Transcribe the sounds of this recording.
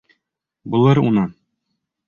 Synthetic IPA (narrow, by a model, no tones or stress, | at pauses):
bulˠɤɾṵnɤ